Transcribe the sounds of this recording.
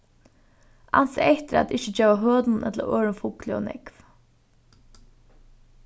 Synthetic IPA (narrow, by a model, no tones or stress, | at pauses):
a̰nsʔɛht̪ɪɾæ̰t̪ɪht͡ʃəd͡ʒeːʋaɦøːt̪nnʔɛt̪lə̰ʔøːɹʊnfʊklɪɔ̰nɛ̰kv